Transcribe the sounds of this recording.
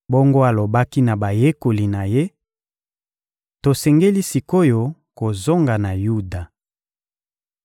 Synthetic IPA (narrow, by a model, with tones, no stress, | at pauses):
bo˦ŋɡo˦a˨lo˨ba˦ki˦na˨ba˨je˦ko˨li˨na˨je˦ | to˨sɛ˨ŋɡe˦li˦si˨ko˦jo˦ko˨zo˦ŋɡa˨na˨ju˦da˨